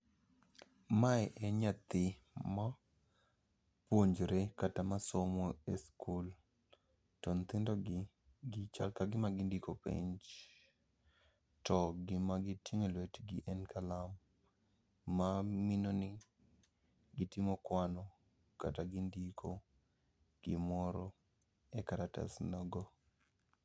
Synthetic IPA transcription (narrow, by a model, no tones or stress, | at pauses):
maɛʔɛɲat̪ɪ | ma | pwoɲd͡ʒɾekatamasomoeskʰul | tont̪ɪndɔ | ɡɪt͡ʃalkaɡɪmaɡɪndikopɪ̰ɲd͡ʒ | tɔɡɪmaɡɪtiŋelwetɡɪʔɛnkalam | aminonɪ | ɡɪtɪmɔkwanɔ | kataɡɪndikʰo | ɡ̥ɪmɔɾɔ | ɛkaɾata̰snɔɡɔ